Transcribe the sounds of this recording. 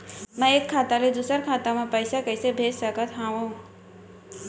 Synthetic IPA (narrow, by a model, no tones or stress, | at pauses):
mə̃ekʰːaːt̪aled̪usəɾkʰaːt̪amãpəɪsakəɪsebʱeːd͡ʒsəkət̪ʰɦãʋũ